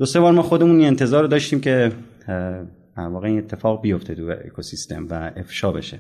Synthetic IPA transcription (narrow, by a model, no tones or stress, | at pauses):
d̪̥ose̞bɒːɾmɒːxod̪emuninent̪ʰe̞zɒːɾod̪ɒːʃt̪iːmcʰe̞ | d̪̥æɾvɒːɣeiːne̞t̪ʰːe̞fɒːɣbijo̞ft̪ʰet̪ʰujḛḛkʰosist̪ʰe̞̰mvæefʃɒːbe̞̰ʃe